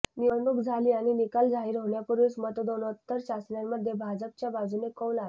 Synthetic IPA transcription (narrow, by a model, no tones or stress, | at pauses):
niəɳɖukd͡zʱaliːañinikald͡zʱaiɾəʋɳjapuɾusmət̪d̪onət̪ːəɾɕasɳjanməd̪ʱjebʱad͡zəp̚t͡ɕjabad͡zunekəwlat